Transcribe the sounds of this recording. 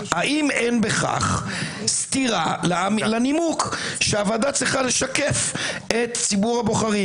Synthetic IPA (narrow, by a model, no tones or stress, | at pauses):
haʔimenbe̞χa̰χst̪iʁalamlanimukʃeaːvad̪at͡sʁiχale̞ʃakefet̪t͡sibuʁhabo̞χaʁi